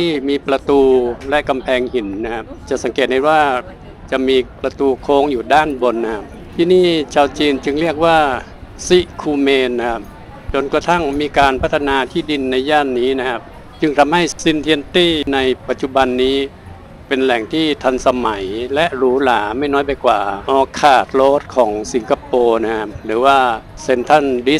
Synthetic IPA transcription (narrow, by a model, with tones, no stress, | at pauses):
i˥˩miː˧pɾa˧t̪uː˧lɛ˦˥ʔka˧mpʰɛː˧ŋhi˩˦nːa˦˥kʰa˦˥p̚t͡ɕa˨˩sa˩˦ŋkeː˨˩t̪̚ha˥˩waː˥˩ | t͡ɕa˨˩ʔmiː˧pɾa˧t̪uː˧kʰoː˦˧˥ŋjuː˨˩daː˥˩nbo˧nːa˦kʰa˦˥p̚ | t̪ʰiː˥˩niː˥˩t͡ɕʰaː˧wt͡ɕiː˧nt͡ɕɯ˧ŋli˥˩ək̚waː˥˩ | si˦˥kʰuː˧meː˧nːa˦˥kʰa˦˥p̚ | t͡ɕo˧nkɾa˧t̪ʰa˥˩ŋmiː˧kaː˧npʰa˦˥t̪ʰːa˧naː˧t̪ʰiː˥˩di˧nːa˧jjaː˥˩nːiː˦˥na˦˥kʰa˦˥p̚ | t͡ɕɯ˧ŋt̪ʰa˧mha˧˥˩jsi˧nt̪ʰi˧ə˧nt̪iː˥˩na˧jpa˨˩t̪̚t͡ɕu˧˩ba˧nːiː˦˥ | pe˧nlɛ˨˩ŋt̪ʰiː˥˩t̪ʰa˧nsa˧ma˩˦jlɛ˦˥ʔɾuː˦˥laː˩˦ma˥˩jnɔː˦˥jpa˧jkwa̰ː˨˩ʔɔː˧kʰaː˨˩t̪̚loː˦˥t̪̚kʰɔː˩˦ŋsi˩˦ŋkʰa˧poː˧na˦˥kʰa˦˥p̚ɾɯː˩˦waː˥˩se˧nt̪ʰa˥˩ndi˦˥